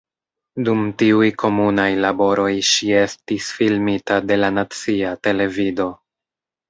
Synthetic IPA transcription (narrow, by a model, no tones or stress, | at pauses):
dumtiujkʰo̞munajlabo̞ɾo̞jʃie̞stisfilmitade̞lanat͡siate̞le̞vido̞